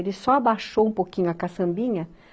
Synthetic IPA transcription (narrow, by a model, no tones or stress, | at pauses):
elɪsɔabaʃowũpokĩɲʊɐkasɐ̃mbĩɲɐ